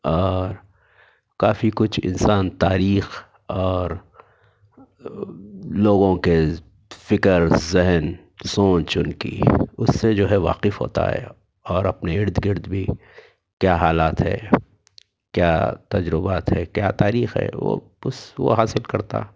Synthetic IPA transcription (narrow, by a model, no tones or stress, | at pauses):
ɔːɾ | kaːfikʊt͡ʃʰɪ̰nsaːnt̪aːɾiːx | ɔːɾ | loːɡõke | fɪkəɾzɪɦn | sõːnt͡ʃʊnkḭʊsːed͡ʒoːɦɛʋa̰ːqɪfɦo̰ːt̪a̰ɦɛ̰ | ɔːɾɐpneɪɾd̪ɡɪɾd̪bʱi | kjaɦaːlaːt̪ɦɛ̰ː | kjaːt̪ɐd͡ʒɾɪbaːt̪ɦɛkjaːt̪aːɾiːxɦɛ̰ːʋo̰ | ʊsʋo̰ɦaːsɪlkɐɾt̪a̰